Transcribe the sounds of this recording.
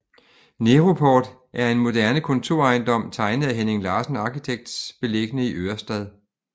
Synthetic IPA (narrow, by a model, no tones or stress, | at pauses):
neʁo̝pʰɒːd̥ | ʔæɐe̝nmo̝d̥æɐnəkʰɔ̽nt͡sʰo̝ɐ̰ɑ̈ɪnd̥ɒ̽m̰t͡sʰɑ̈ɪnəð̩ˠæɦene̝ŋlɑ̈ːsn̩ɑ̈ːkit͡sʰeɡ̥̚d̥sb̥e̝le̝ɡ̥ənəiʔøɐsd̥ɛðˠ